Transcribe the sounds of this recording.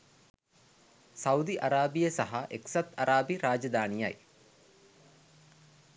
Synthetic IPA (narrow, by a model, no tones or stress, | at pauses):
sɐud̪iʔaɾaːbijəsɐɦɐʔeksɐt̪ɐɾaːbiɾaːd͡ʒɐd̪aːnija̰j